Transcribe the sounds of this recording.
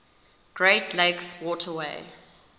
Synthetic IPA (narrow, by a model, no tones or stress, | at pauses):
ɡ̥ɹeɪtʰleɪkswɔtʰəweɪ